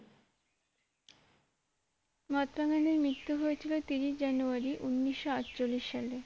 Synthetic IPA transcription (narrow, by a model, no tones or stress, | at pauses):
mat̪ɾaɡaneɾmɾit̪ːuɦojet͡ɕʰilot̪iɾiʃd͡ʑanuaɾiʔunːiʃːoaʈt͡ɕolːiʃːale